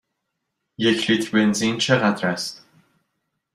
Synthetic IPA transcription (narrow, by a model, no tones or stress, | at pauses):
jecʰlit̪ʰɾbenzint͡ʃʰeɣæd̪ɾæst̪